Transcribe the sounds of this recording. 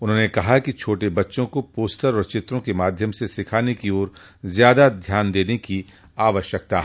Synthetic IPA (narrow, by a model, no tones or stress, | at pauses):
ʊnɦõːnekɐɦakit͡ʃʰoːʈebɐtːʃõkopoːsʈəɾɔːɾt͡ʃɪt̪ɾõkemaːd̪ʱjəmsesɪkʰaːnekioːɾ | zjaːd̪ad̪ʱjaːnd̪eːneki | aːʋəʃjək̚t̪aɦɛ